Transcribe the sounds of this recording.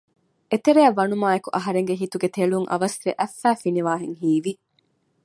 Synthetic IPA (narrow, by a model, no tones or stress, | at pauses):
ʔet̪eɾeɐʋːɐnumaːekuʔɐɦɐɾeŋɡeɦit̪uɡet̪eɭuŋʔɐ̰ʋɐsʋeʔæfːæːfiniʋaːɦeŋɦiːʋi